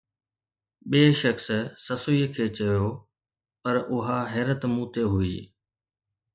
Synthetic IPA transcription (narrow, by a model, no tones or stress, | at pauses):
ɓeːʃəkssɐsʊiːkʰeːt͡ɕɐjoː | pɐɾʊɦaɦɛːɾət̪mũːt̪eɦʊiː